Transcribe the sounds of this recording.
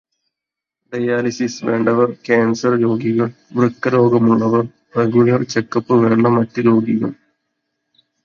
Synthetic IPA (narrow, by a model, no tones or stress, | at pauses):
ɖɐjaːlisisʋe̞̰ːɳɖɐʋɐrkaːnsɐrɾo̞ːɡiɣɐɭ | brɨkːɐɾo̞ːɡɐmuɭːɐʋɐr | reɡuɭɐrt͡ɕekːɐpːɨʋe̞ːɳːɐmɐtːuɾo̞ːɡiɣɐɭ